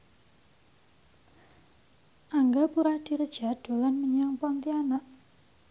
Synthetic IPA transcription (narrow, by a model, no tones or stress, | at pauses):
ʔaŋɡapuɾahd̪̥i̤ɾəd̥ʒ̥a̤ɖ̥o̤lanməɲaŋpant̪ianaʔ